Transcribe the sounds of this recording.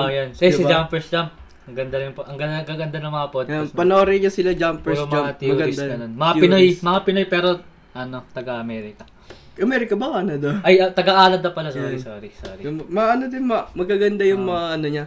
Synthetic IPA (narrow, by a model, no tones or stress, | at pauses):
ajonsɪɪbd͡ʒampɛɹsd͡ʒamp̚ | ɐŋɡɐnd̪ajʊŋpoʔɐŋɡɐɡaɡɐnd̪anɐmɐapod̪npɐnoːɾɛɲasɪlad͡ʒampɛɾmd͡ʒaɐjmɐuɡɐnd̪aɐnonmɐapɪnojmɐŋapɪnojpɛːɾo̞ | ʔɐno̞t̪ɐɡɐʔɐmɛːɾɪkɐ | ʔɐmɛɾɪkɐbɐkɐnɐd̪ɐʔɐjɐt̪ɐɡɐʔaːlɐt̪̚ːɐpɐlasoɾisoːɾiso̰ːɾimɐaʔɐnod̪ɪnmɐmɐɡ̚kːɐɡɐnd̪ajʊŋmɐaʔɐnoɲa